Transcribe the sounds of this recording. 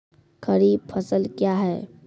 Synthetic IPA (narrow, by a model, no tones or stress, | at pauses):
kəɾiːb̚pʰəsəlkjaːɦɛː